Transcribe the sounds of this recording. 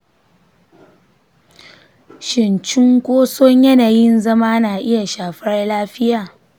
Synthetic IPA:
ʃɪ˨nt͡ʃɪ˦ŋkʷoː˦sɔ˦ɲjɐ˦naː˨jɪ˦nzɐ˦maː˦naː˨ʔɪ˦ja˨ʃaː˨ɸɐ˦rlaː˦ɸɪ˦jaː˨

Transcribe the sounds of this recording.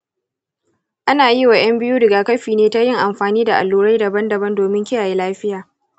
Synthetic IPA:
ʔa˦naː˨ji˦wa˨j̰ɐ˦mbɪ˦juː˦dɐ˨ɡa˨kɐ˦ɸiː˨neː˦ta˦jɪ˦ŋʔa˨mɸaː˨niː˦da˨ʔa̰˨lːuː˦ɾa˦jdɐ˨bɐ˦ndɐ˨bɐ˦ndoː˨mɪ˦ŋkʲɪ˦jaː˨ji˦laː˦ɸɪ˦jaː˨

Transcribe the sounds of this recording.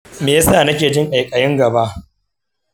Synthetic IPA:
meː˨ja˦saː˦˨nɐ˦kʲeː˨d͡ʒɪ˦ŋʔa˨jkʼɐ˨jɪ˦ŋɡɐ˨ba˦ʔ

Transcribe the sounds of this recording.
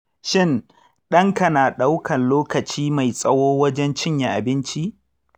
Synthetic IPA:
ʃɪ˦˨n | ɗɐ˦ŋkɐ˨naː˨ɗa˦wkʰɐ˨nloː˦kɐ˨t͡ʃiː˦ma˨jsʼɐ˦woː˦wɐ˦d͡ʒɛ˦nt͡ʃɪ˦ɲja˨ʔa˨bɪ˦nt͡ʃi˦ʔ

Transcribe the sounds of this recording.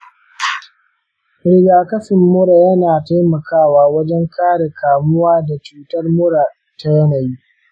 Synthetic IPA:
ɽɪ˦ɡaː˨kɐ˦sɪ˨mːʊ˦ɽa˨jɐ˦naː˨ta˦jmɐ˨kaː˦˨waː˨wɐ˦d͡ʒɛ˦ŋkaː˦ɽe˨kʰaː˨mʊ˦waː˦da˨t͡ʃuː˦tɐ˦rmʊ˦ɽa˨ | ta˦jɐ˦na˨ji˦ʔ

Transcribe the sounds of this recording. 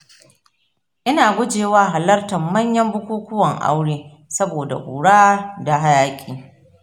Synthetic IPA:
ʔɪ˦naː˨ɡʷʊ˦d͡ʒeː˨waː˦ɦa˨lɐ˦rtɐ˨mːɐ˦ɲjɐ˦mbʊ˦kʷuː˦kʊ˦wɐ˨ŋʔa̰˦wɽeː˦ | sɐ˦boː˨da̰˨ʔʷuː˨ɽaː˦da˨ɦa˦jaː˦kʲʼiː˨

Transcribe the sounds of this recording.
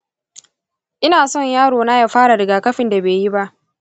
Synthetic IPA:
ʔɪ˦naː˨sɔ˦˨ɲjaː˦ɽoː˨na˦ja˨ɸaː˦ɽa˨ɾɪ˨ɡaː˨kɐ˦ɸɪ˨nda˨beː˨ji˦ba˦ʔ

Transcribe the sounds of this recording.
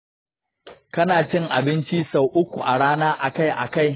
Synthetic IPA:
kɐ˦naː˨t͡ʃɪ˦ŋʔa̰˨bɪ˦nt͡ʃi˦sa˦wʔʊ˦kʷu˨ʔa˨ɽaː˦naː˦ʔa˨ka˦jʔa̰˨ka˦˨j

